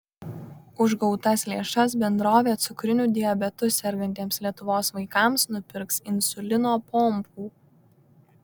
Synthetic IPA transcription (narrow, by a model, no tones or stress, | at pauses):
ʊʒɡɔʊt̪ɐslʲeːʃɐs̬bʲɛnd̪ɾoːʋʲeːt̪sʊkɾʲɪnʲuːd̪ʲɪjɛbʲɛt̪ʊsʲɛɾʲɡʲɛnʲt̪ʲeːmslʲiɛt̪ʊʋoːsʋɐɪkɑˑmsnʊpʲɪɾksɪnsʊlʲɪnoːpɔmpuː